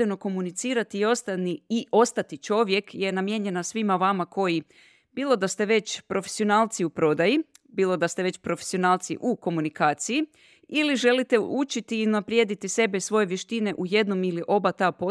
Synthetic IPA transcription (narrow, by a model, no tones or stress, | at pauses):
eno̞ko̞munit̪siːɾat̪iio̞st̪aniiʔo̞st̪at̪it͡ʃo̞ʋje̞kje̞namje̞ɲe̞nasʋimaʋamako̞ji | biːlˠo̞d̪ast̪e̞ʋe̞t͡ɕpɾo̞fe̥sio̞naːlˠt̪siupɾo̞d̪aji | biːlˠo̞d̪ast̪eʋe̞t͡ɕpɾo̞fesio̞naːlˠt̪sḭʔuko̞munikaːt̪siji | iliʒe̞lit̪e̞ut͡ʃit̪iːunapɾjed̪it̪ise̞besʋo̞jeʋje̞ʃt̪ine̞ʔuje̞d̪no̞miliʔo̞bat̪apo